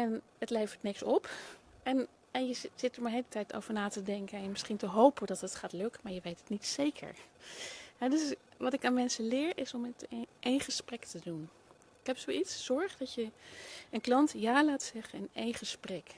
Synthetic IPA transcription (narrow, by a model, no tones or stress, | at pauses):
ɛn | ətlejvəɹtnɪksɔpɛn | ɛnjəz̥ɪtəɹmaɹɦeɪlətɛjto̰wvəɹnaːtədɛŋkənɛnmɪsχintəɦowpəndɑtɦətχaːtlɵkəmaːɹjəʋejtətnitsejkʰə̰ɹ | ɦɛdɵsʋɑtɪkaːnmɛnsəlɪːɹɪsɔmɛtʔejnχəsprɛktədun | ɪkɦɛpsowitsːɔɹχdɑtjəənklɑntjaːlaːtsɛχənɪnejnχəsprɛk